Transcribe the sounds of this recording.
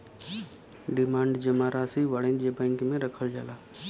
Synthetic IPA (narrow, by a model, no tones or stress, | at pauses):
ɖɪmãːɳɖd͡ʒəmaɾaːsiʋaɽẽnd͡ʒebɛ̃ːŋkmẽɾəkʰəld͡ʒaːlaː